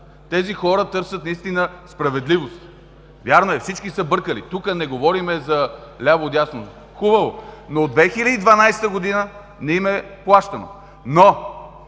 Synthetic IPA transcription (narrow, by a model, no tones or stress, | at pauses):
t̪ɛzixɔɾət̪ɤɾsət̪nɐist̪inəspɾɐvɛd̪livost̪ | vʲjaɾnoɛfsit͡ʃkisɐbɤɾkəlit̪ukənɛɡovɔɾimɛzɐlʲaboːd̪jasno | xubəvonoːd̪vɛxilʲəd̪iːd̪vɐnajsɛ̥t̪əɡod̪inə | nɛimɛplˠaʃt̪ɐno̰ | no